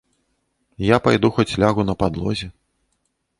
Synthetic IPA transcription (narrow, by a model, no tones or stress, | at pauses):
japajd̪uxɔt͡sʲlʲaɣunɐpad̪lˠɔ̰zʲɛ